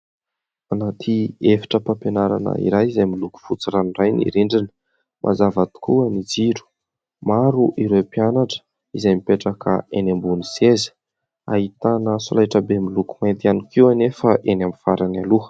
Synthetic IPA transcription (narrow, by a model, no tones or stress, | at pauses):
anat̪ʰiefi̥ʈ͡ʂəpampenaɾa̰nə̰ḭɾajizajmiluku̥fut͡siranrajnḭɾiɳɖ͡ʐinə̥ | mʔa̰zavat̪u̥kuanid͡ziɾu̥ | maɾuʔiɾewpianaʈ͡ʂə̥ | izajmipeʈ͡ʂakʰə̰enambunisezi̥ | a̰ɦit̪anəsulajʈ͡ʂəbemilukumant̪ianikiwanefəʔenambifaɾanaluə̥